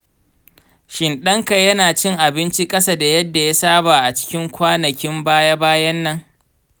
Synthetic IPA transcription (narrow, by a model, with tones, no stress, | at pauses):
ʃɪ˨nɗɐ˦ŋka˨jɐ˦naː˨t͡ʃɪ˦ŋʔa˨bɪ˦nt͡ʃi˦kʼɐ˦sa˦da˨jɐ˦dːa˨ja˦saː˦baː˨ʔa˨t͡ʃɪ̥˦kʲɪ˦ŋkʷaː˦nɐ˨kʲɪ˦mbaː˦ja˦baː˦jɐ˦nːɐ˦ŋ